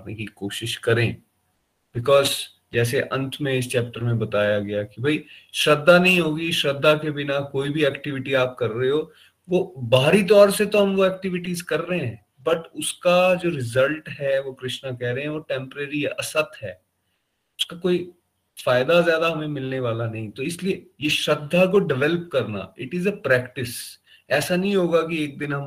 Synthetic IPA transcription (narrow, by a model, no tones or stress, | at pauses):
pnekikoːʃɪʃkɐɾẽː | bɪkɔːz | d͡ʒɛːs̬eʔɐ̃nt̪ʰmẽɪst͡ʃɛːp̚ʈəɾmẽbɐt̪aːjaɡɐjakibʱɐiʃɾɐd̪ːanɐɦĩɦoːɡiʃɾɐd̪ʱːakebɪnakoːibʱiɛːkʈɪʋɪʈiaːp̚kɐɾːɐɦeɦo | ʋobaːɾit̪̬ɔːɾset̪oɦɐ̃mʋoɛːk̚ʈɪʋɪʈiːzkɐɾːɐɦẽɦɛ̃ː | bɐʈʊskad͡ʒoːɾɪzəlʈɦɛʋokɾɪʃnakɛɦɾɐɦɛ̃ʋoːʈɛ̃mpəɾeɾiɐ̰sət̪ɦɛ̰ː | ʊskakoːi | faːɪd̪azjaːd̪aɦɐmẽmɪlneʋaːlanɐɦĩt̪oɪsliejeʃɾɐd̪ʱːakoɖɪʋɛləp̚kɐɾna̰ːɪʈɪzəpɾɛːkʈɪs | ɛːsanɐɦĩɦoːɡakieːk̚d̪ɪnɦɐ̃m